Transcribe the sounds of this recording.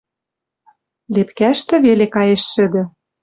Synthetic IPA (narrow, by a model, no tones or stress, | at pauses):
lepkæʃt̪ɘ̆βelekɑjeʃːɘ̆d̪ɘ̆